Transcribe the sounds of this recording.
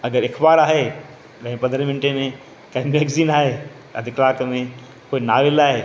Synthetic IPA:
ɐɡəɾɪkʰbaːɾaːɦe | ɗɐ̃ɦɪ̃pɐ̃nd̪ɾə̃ʋɪ̃nɪʈemẽ | kɐɦɪ̃beːɡziːnaːɦe | ɐ̰d̪ʱɪklaːkmẽ | koːinaːʋɪlaːɦeː

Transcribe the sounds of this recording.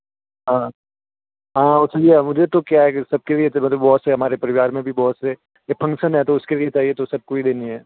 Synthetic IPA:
ɦãː | ɦãːʊsed͡ʒiamʊd͡ʒʱet̪okjaɦɛsɐb̚keliemɐt̪ləbbɔːt̪seɦɐmaːɾepɐɾɪʋaːɾmẽbʱibɔːt̪se | efʰɐ̃ŋkʃənɦɛt̪oʊskeliet͡ʃaːɦiet̪osɐb̚koːid̪eːniɦɛː

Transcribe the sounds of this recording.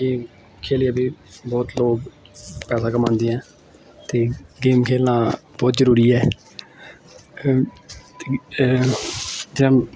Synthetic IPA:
ɡeːm | kʰeːliãːbiːbɔːt̪loːkpɛːsaːkəmãːnd̪eːɛ̃ː | t̪eːɡeːmkʰeːlãːbɔːt̪zəɾuːɾiːɛː | e | d͡ʒɪnãː

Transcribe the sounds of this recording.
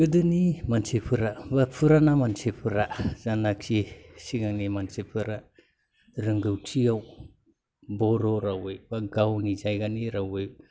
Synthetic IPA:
ɡɯdɯnimansepʰɯɾabapʰɯɾanamansepʰɯɾazanak̚sisiɡaŋimansepʰɯɾa | ɾɯŋɡɯwtʰiaw | bɔɾoɾawejbaɡawnizajɡaniɾawe

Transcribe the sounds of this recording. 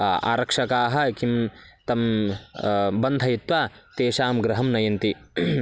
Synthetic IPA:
a̰ːɾɐkʂɐkaːɦɐ̆kimt̪ɐm | bɐnd̪ʱɐjit̪ʋaːt̪eːʃaːmɡɾɐɦɐmnɐjɐnt̪i

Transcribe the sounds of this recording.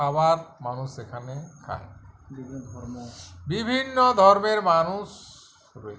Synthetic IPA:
abaɾmanusekʰanekʰa̰e | ɔbibʱinːod̪ʱɔɾmeɾmanus

